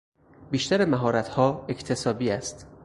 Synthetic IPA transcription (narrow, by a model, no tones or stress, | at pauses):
biːʃt̪æɾemæɦɒːɾæt̪hɒːect̪ʰesɒːbiːæst̪